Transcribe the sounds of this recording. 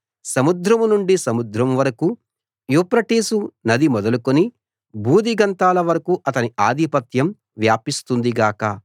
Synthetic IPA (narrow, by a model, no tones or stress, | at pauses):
sɐmud̪ɾɐmunuɳɖisɐmud̪ɾɐmʋɐɾɐku | jupɾɐʈiːsunɐd̪imɔd̪ɐlukoni | buːd̪iɡɐnt̪aːlɐʋɐɾɐkuʔɐt̪ɐniaːd̪ʱipɐt̪jɐm | ʋjaːpist̪und̪iɡaːkɐ